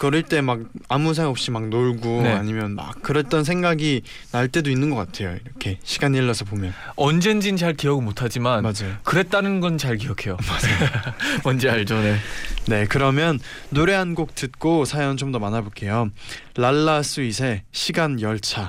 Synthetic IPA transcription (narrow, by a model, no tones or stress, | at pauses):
kɯɾiɭt͈e̞mak̚amusʰaʌp̚ɕ͈imak̚noɭɡoaɲimjʌnma̰kk͈ɯɾʌt͈ʌns̬ʰe̞ŋɡaɡi | naɭt͈e̞doinːɯnɡʌk͈atʰe̞joiɾʌkʰe̞ɕʰiɡaɲiɭːʌsʰʌpomjʌn | ʌnd͡ʑe̞nd͡ʑint͡ɕaɭkiʌɡɯɭmotʰad͡ʑimanmad͡ʑajokɯɾe̞t̚t͈anɯnɡʌnt͡ɕaɭk̬ijʌkʰe̞jomad͡ʑ | mʌnd͡ʑeaɭd͡ʑʌnene̞kɯɾʌmjʌnːoɾe̞ɦanɡok̚t͈ɯt̚k͈osʰajʌnt͡ɕomdʌmanabok͈ʰe̞jo | laɭːas͈uisʰe̞ɕʰiɡanjʌɭt͡ɕʰa